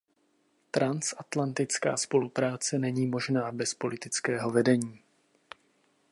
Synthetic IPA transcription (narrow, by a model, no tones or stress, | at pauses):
t̪ɾansʔat̪lant̪ɪt͡ska̰ːspo̞lupɾaːt͡sɛnɛɲiːmo̞ʒnaːbɛspo̞lɪt̪ɪt͡skɛːɦo̞vɛdɛɲiː